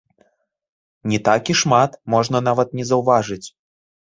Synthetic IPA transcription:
nʲɛt̪akʲiʂmat̪mɔʐnɐnavɐt̪̚nʲɛzɐwvaʐɨt͡sʲ

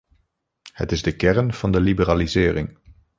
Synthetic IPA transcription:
hə̰tɪzdəkɛrnv̥ɑndəlibəraːlizɪːrɪŋ

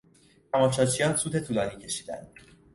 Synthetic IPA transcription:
t̪ʰæmɒːʃɒːt͡ʃʰijɒːnsuːt̪ʰe̞t̪ʰuːlɒːniːcʰe̞ʃiːd̪æ̰nd̪̥

